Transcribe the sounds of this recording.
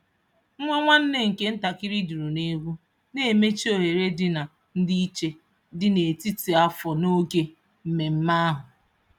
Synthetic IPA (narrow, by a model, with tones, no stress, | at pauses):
ŋ̩˦ŋʷe˦ŋʷa˦n̩˦ne˦ŋ̩˨ke˦n̩˦ta˨kɪ˦ɾi˦du˨ɾu˨ne˦ɡʷu˦ | ne˨e˨me˦t͡ʃi˦o˨ɦe˨ɾe˦dɪ˨na˨ | n̩˦di˦i˦t͡ʃe˦ | dɪ˦ne˨ti˦ti˨a˦fɔ˨no˦ɡe˦ | m̩˦me˨m̩˦ma˦a˦ɦʊ˨